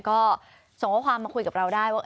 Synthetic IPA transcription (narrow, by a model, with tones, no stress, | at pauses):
kɔː˥˩ | so˨˩˦ŋɔ˦˥kʰwaː˧mːaː˧kʰu˧jka˨˩pɾa˧wdaː˥˩jwaː˥˩ʔ